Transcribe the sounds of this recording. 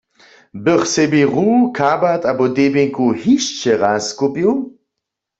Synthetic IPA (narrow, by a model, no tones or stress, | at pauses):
bəχsɛbiʁukʰabat̪abɔdebeŋkuhiʃt͡ʃɛʁaskopiw